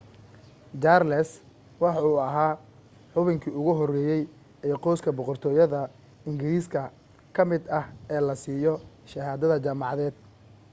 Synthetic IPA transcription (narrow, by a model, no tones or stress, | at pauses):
t͡ʃaːrlɛs | wɑħɑuːɐɦaː | ħʊβɪŋkʰiːʊɣʊɦɔrɛːjɛj | ɛːqɔskʰɐbɔqɔrt̪ʰɔːjɐðɐ | ɪŋɡɪɾiːskʰɐ | kʰɐmɪd̪ɐhɛːlɐsiːjɔ | ʃɐɦaːðɐðɐt͡ʃaːmɑʕɑðɛːd̪̥